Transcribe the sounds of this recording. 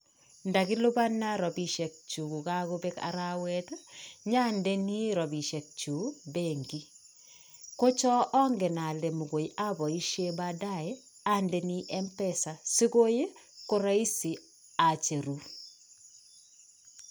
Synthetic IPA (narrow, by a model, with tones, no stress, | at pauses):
nda˨kɪ˦lo˦ba˦nːa˦ɾɔ˨bi˨ʃɛ˨k̚t͡ʃu˨ku˨ka˦ko˦bɛ˦ka̰˨ɾa˦wɛ˦taɲa˦nde˦ni˦ɾɔ˨bi˨ʃɛ˨k̚t͡ʃu˨beŋɡi˦ | ko˦t͡ʃɔ˦ʔɔ˦ŋɡɛ˨na˨le˨mu˨ko˨jiʔa˦bɔ˨i˦ʃe˦bada˦ɛ˦ | a˦nde˨ni˦ʔɛ˦mpɛ˦sa˨si˦ko˦je˦ko˦ɾa˦i˦si˨ | a˨t͡ʃe˨ɾu˨